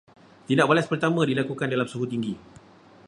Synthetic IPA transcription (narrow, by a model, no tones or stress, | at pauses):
t̪idaʔbalaspərt̪amãdilakukandalamsuɦut̪iŋɡi